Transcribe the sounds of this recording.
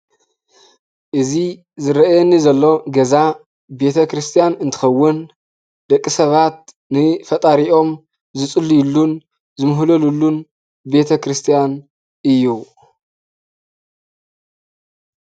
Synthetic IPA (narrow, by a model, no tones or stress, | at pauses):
ʔɨzi | zɨɾɐʔjenːizɐlːo̞ɡɐza | be̞t̪ʰɐkɾɨst̪ʰijanɨnt̪ʰɨ̥xɐwːʊn | d̪ɐkʼːisɐβat̪̚ | nɨfɐt̪ʼaɾiʔo̞m | zɨt͡sʼɨlːijɪlːun | zɨmɨɦlɐlulːun | be̞t̪ʰɐkɾɨst̪ʰijan | ʔɨjːu